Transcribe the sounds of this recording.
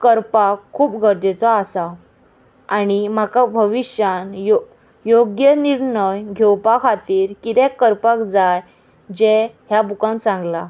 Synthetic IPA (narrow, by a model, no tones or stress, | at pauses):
kəɾpakʰːuːpɡʱəɾd͡ʑ̪et͡sɔasa | aɽ̃im̤akabʱəʋiɕjanjo | joɡjəniɾɳəjɡʱewpakʰat̪iːɾkit̪ɛkːəɾpakd͡zaj | d͡ʑeɦjabʱukãnsãŋɡla